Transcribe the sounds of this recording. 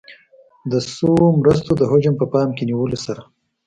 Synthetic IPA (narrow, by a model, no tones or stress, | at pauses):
d̪əsomɾəs̬t̪od̪əɦod͡ʒampəpɑːmkeniwəlosaɾa